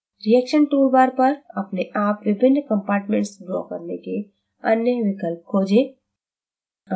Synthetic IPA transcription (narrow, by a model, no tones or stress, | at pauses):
ɾiɛːkʃənʈuːɾbaːɾpɐɾɐpneʔaːpʋɪbʱɪnːkə̃mpaːɾʈmẽɳʈsbɾɔ̰ːkəɾneke | ɐnjəʋɪkəlp̚kʰoːd͡ʒeː